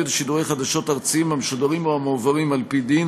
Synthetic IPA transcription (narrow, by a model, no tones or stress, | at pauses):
otʃiduʁejχad̪aʃo̞taʁt͡siimamʃodaʁimoamovaʁimalpid̪in